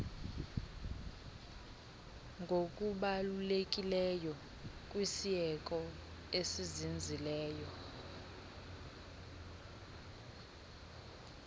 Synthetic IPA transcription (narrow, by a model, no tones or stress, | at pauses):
ŋɡʱokʼuɓalulekʼilɛjɔ | kʼwisiɛkʼɔ | esizind͡zʱilɛːjɔ